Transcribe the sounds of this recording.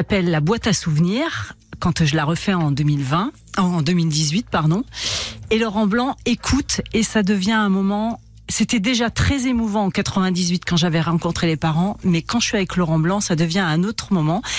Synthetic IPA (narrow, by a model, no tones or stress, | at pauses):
apɛlːabwat̪asuvniːʁ | kɑ̃t̪ʒəlaʁəfɛɑ̃d̪milvɛ̃ | ɑ̃d̪əmild̪izɥit̪̚paʁd̪ɔ̃elɔʁɑ̃blɑ̃ekʰut̪esad̪əvjɛ̃ɛ̃mɔmɑ̃ | set̪ɛd̪eʒat̪χɛzemuvɑ̃ɑ̃kat̪χəvɛ̃d̪izɥit̪kɑ̃ʒavɛʁɑ̃kɔ̃t̪χelepaʁɑ̃mɛkɑ̃ʒəʃɥiavɛklɔʁɑ̃blɑ̃sad̪əvjɛ̃ɛ̃not̪χmɔmɑ̃